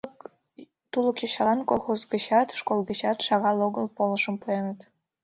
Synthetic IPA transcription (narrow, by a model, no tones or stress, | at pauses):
t̪uləkjɑɕɑlɑnkolˠxozɡəɕɑt̪ʃkolˠɣə̆ɕɑt̪ʃɑɣɑlˠoɣə̆lˠpoləʃəmpujenət̪